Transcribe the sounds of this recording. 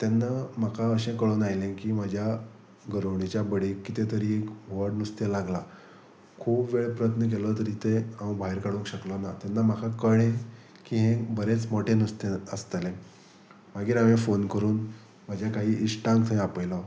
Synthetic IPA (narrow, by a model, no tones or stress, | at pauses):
t̪enːam̤akʰaəɕẽkəɭonajlẽkiːmad͡ʑʱja | ɡəɾowɳit͡ɕjabəɽekːit̪ẽt̪əɾiekʋəɾɖnust̪elaɡla | kʰuːpʋeɭpɾəət̪nək̬elət̪əɾiːt̪eãwbʱaɦiɾkaɽũŋkɕəklənat̪anːam̤akʰakəɭẽ | kiːɦẽbəɾet͡smoʈʰenust̪eəst̪lẽ | maɡiːɾaʋẽfonkəɾuːn | m̤ad͡ʑʱjakaɦiːʔiɕʈãŋkt̪ʰəj̃apəjlə